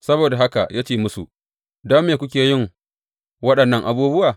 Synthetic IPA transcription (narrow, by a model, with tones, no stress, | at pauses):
sɐ˦boː˨da˨ɦa˦ka̰˨jaː˦t͡ʃeː˦˨mʊ˦sṵ˨ | daː˦meː˨kʷʊ˦k̬ʲeː˨jɪ˦˨ŋ | wɐ˦ɗɐ˨nːɐ˦ŋʔa˨buː˦bʊ˦waː˨